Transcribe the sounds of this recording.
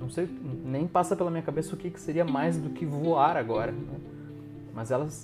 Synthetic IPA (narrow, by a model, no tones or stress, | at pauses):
nɐ̃w̃sejʊnẽj̃pasɐpelɐmĩɲɐkabesɐʊkɪkɪ̥seɾiɐmajzd̪ʊkɪvoaɾaɡɔɾɐnɛ | mɐzɛlɐs